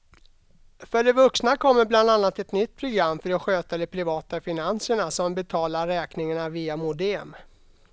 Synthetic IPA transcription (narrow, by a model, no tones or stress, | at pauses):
fœɖɛvɵksnakʰɔmːəɾbland̪anːat̪ɛt̪nʏt̪ːpʰɾʊɡɾamːfœɖɔɧøːt̪ad̪ɛpʰɾɪvɑːt̪afɪnansəɳasɔmbɛt̪ʰɑːlaɾɛːknɪŋaɳaviːamʊd̪ɛm